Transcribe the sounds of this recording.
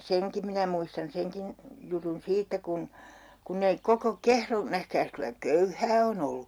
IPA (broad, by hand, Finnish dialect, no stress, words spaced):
seŋki minæ muistɑn seŋkin jutun siːtːæ kun kunːei koko kehro næhkæːs kylæ køyhæː on olːu